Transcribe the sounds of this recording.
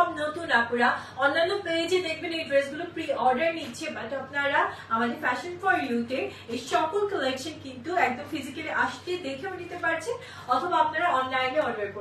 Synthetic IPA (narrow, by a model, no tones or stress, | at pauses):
bnot̪unapuɾaɔnːanːoped͡ʑed̪ek̚ʰbenebɾesɡulopɾiɔɾɖəɾniːt͡ɕʰebaʈapnaɾaamad̪eɾfɛʃonfɔɾjuʈe | ejʃɔkolkolekʃonkint̪uɛk̚d̪omfizikeleʔaʃt̪ed̪ekʰebonit̪epaɾt͡ɕʰen | ɔt̪ʰobaapnaɾaɔnlajneɔɾɖaɾpo